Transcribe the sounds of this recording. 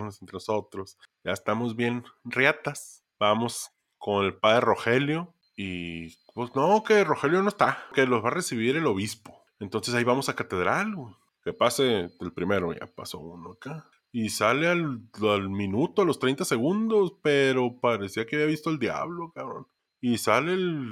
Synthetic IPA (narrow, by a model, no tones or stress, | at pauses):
nosent̪ɾenoso̞t̪ɾo̞s | ɟ͡ʝa̰est̪amo̞zβje̞nrjat̪as | b̥amo̞s | ko̞ne̞lpaðɾero̞xe̞ljo | i | pesnokero̞xe̞ljo̞no̞est̪ake̞lozβaresiβiɾe̞lo̞βispo̞̥ | ent̪o̞nse̞saiβamo̞sakat̪e̞ðɾale | ke̞paseelpɾime̞ɾoʝa̰pa̰so̞̰ṵnoaka | isalealalmĩnut̪oalo̞st̪ɾejnt̪ase̞ɣund̪o̞speɾo̞paɾesiakeaβiaβist̪oeld̪ja̰βlo̞kaβɾo̰n | isalel